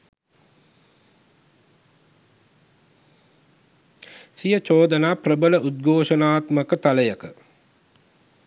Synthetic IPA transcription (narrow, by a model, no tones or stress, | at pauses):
sijət͡ʃoːd̪ənaːprəbələʔud̪̚ɡʱoːʂənaːt̪məkət̪aləjəkə